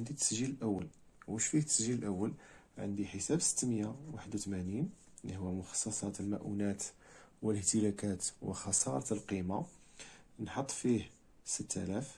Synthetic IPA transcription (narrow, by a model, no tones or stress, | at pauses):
ənd̪it̪ə̥sʒiləlʔæwːəl | wəʃfiht̪ə̥sʒələlʔæwːəl | ʕə̰nd̪iħəsæbsə̥t̪ːmjawaħəd̪wt̪mæninlihəwːæmʊxɑ̥sˤːɑsˤɑt̪əlmæʔṵnæt̪wələht̪əlækæt̪wə̰xɑsˤɑɾˤɑt̪lqima | nħɑt̪ˤːfih | sət̪ːæ̰læf